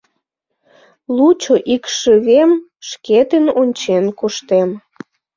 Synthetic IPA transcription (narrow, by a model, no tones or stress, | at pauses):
lut͡ɕoʔikʃəβem | ʃket̪enonʲt͡ɕenkuʃt̪em